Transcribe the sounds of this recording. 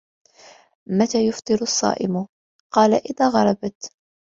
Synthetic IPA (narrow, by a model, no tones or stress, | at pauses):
mat̪aːjʊft̪ˤɨɾʊɑsˤːɑ̰ːʔɪ̰mʊ | qɑːlaʔɪðaːɣɑɾˤɑbt̪